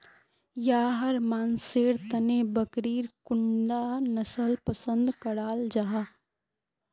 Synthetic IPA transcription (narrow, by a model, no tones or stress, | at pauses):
jaːɦɐɾmaːnseːɾt̪ənebɐkɾiːɾkʊɳɖaːnɐsəlpəsə̃nd̪kɐɽaːld͡ʒaɦaː